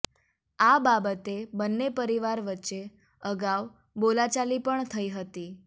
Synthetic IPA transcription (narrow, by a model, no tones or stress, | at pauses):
ababət̪ebənːepəɾiʋaɾʋətːʃe | əɡaʋ | bolat͡ʃalipəɳt̪ʰəiɦət̪i